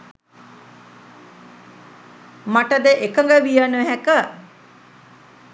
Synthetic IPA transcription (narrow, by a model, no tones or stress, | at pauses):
maʈəd̪əʔekəŋɡəʋijənəɦækə